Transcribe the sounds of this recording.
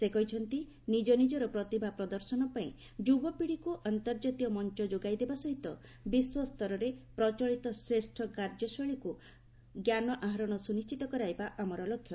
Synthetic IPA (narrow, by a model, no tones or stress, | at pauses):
sekɔɦit͡ʃʰɔnt̪i | nid͡ʒɔnid͡ʒɔɾɔpɾɔt̪ibʱapɾɔd̪ɔɾsɔnɔpaĩ | d͡ʒubɔpiɽikuʔant̪ɔɾd͡ʒat̪ijɔmɔnt͡ʃɔd͡ʒoɡajd̪ebasɔɦit̪ɔ | biswɔst̪ɔɾɔɾepɾɔt͡ʃɔɭit̪ɔsɾesʈʰɔkaɾd͡ʒɔsɔɭiku | ɡjanɔʔaɦaɾɔɽ̃ɔsunist͡ʃit̪ɔkɔɾajbaʔamɔɾɔlɔkʰːjɔ